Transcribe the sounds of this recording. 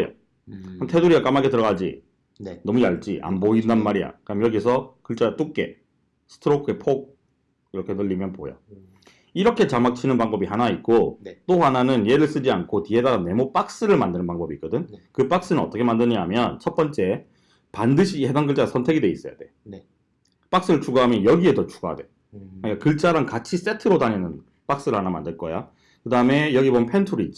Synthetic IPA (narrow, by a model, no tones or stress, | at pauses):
jo̰ | hamtʰe̞duɾiak͈amaɡe̞tɯɾʌɡad͡ʑḭ | nʌmujaɭt͡ɕ͈ḭʔa̰mboindanmaɾia̰kɯamjʌɡisʰʌkɯɭt͡ɕ͈at͈uk̚k͈e̞̰ | sʰɯ̥tʰɯɾokʰɯepʰoɡ̚ | iɾʌkʰe̞nɯʎːimjʌnpoja̰ | iɾʌkʰe̞t͡ɕamak̚t͡ɕʰinɯnpaŋbʌbihanait̚k͈ot͈ohananɯnje̞ɾɯɭs͈ɯd͡ʑiankʰotiɦe̞daɡane̞mop͈ak̚s͈ɯɾɯɭmandɯnɯnpaŋbʌbik͈ɯdɯnkɯp͈ak̚s͈ɯnɯnʌ̰t͈ʌkʰemandɯɲaɦamjʌnt͡ɕʰʌt̚p͈ʌnt͡ɕ͈e̞ | pandɯɕʰihedanɡɯɭt͡ɕ͈aasʰʌntʰe̞ɡidwe̞is͈ʌja̰de̞on | p͈ak̚s͈ɯɾɯɭt͡ɕʰuɡaɦamjʌnjʌɡie̞dʌt͡ɕʰu̥ɡaa̰de̞ | ɯɲik͈akɯɭt͡ɕ͈aɾankat͡ɕʰis͈e̞tʰɯɾodaɲenɯn | p͈ak̚s͈ɯɾɯɭhanama̰ndɯɭk͈ʌja̰ | kɯdaɯme̞jʌɡibomjnpʰentʰuɾiit͡ɕ͈i